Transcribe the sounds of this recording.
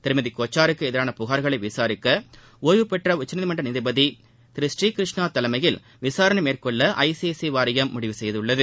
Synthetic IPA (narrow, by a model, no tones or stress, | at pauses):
t̪ɪɾɯmɐðikoːt͡ʃːaːɾɯkːɯɛðɪɾaːnɐpʊɣaːɾɣɐɭɐɪʋɪsaːɾɪkːɐ | oːjʋɯpɛʈrɐʊt͡ʃːɐnɐðɪmɐɳɖrɐnɪðɪbɐði | t̪ɪɾɪsriːkɪɾɯʂɳaːt̪ːɐlɐmɐjɪl | ʋɪsaːɾɐɳɐmeːrkɔɭːɐʔɐ̰ɪsesiʋaːɾɐjɐmːʊɽɪʋɯsɛjɐðɯɭːɐðɯ